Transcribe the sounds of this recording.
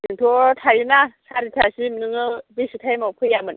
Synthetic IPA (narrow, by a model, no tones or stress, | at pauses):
diŋt̪ʰut̪ʰajinasʰaɾit̪ʰasimnɨŋəbisit̪ʰemopʰəjamən